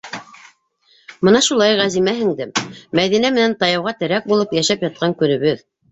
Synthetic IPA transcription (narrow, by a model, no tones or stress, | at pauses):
mɤnɑʃulˠɑjʁæzimæɦɘ̆ŋd̪ɘmmæðinæmɘ̆nænt̪ɑjɑwʁɑt̪ɘ̆ɾæk̚bulˠɤpjæʃæpjɑt̪̚qɑŋkɵ̆nɘ̆βɵð